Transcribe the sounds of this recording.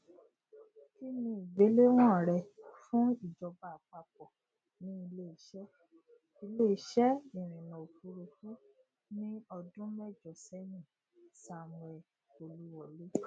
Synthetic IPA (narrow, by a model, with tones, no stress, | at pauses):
ki˦nĩ˧˨i˨ɡ͡be˨˦le˦w̃ɔ̃˦˨ɾɛ˧fũ˦i˦˨d͡ʒɔ˧ba˨k͡pa˧k͡p̚ɔ˨ | nĩ˦i˧le˦˨i˨ʃɛ˦ | i˧le˦˨˦ʃɛ˦i˨ɾ̃ĩ˨nã˨o˨ku˨˦ɾu˧fu˦ | nĩ˦ɔ˧dũ˦mɛ˦˨d͡ʒɔ˨sɛ˦nĩ˦˨ | sa˨m̃˨ɛ˧ | o˧lu˦wɔ˦˨le˦